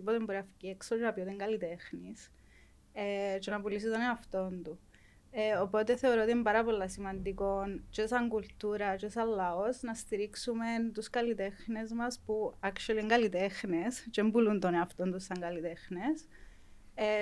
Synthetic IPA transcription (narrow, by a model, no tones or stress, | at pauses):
ipot̪embɾɐfi̥cieksot̪ɾɐpiot̪eŋɡɐlit̪e̞xnis | et͡ʃenɐpulis̬it̪ɐneɐft̪o̞nd̪u | eopo̞t̪e̞θe̞o̞ɾot̪imbɐɾɐpolːɐsimɐnd̪iko̞nt͡ʃesɐŋkult̪uɾɐt͡ʃesɐlːɐosnɐst̪iɾiksume̞nt̪uskɐlit̪e̞xne̞zmɐspuɐkt͡ʃuɐlieŋɡɐlit̪exnest͡ʃembulund̪oneɐft̪ond̪usːɐŋɡɐlit̪e̞xnes | e